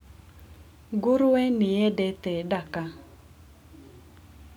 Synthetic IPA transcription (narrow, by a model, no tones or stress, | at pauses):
ɡʊɾwɛnɪɛdɛt̪ɛdaka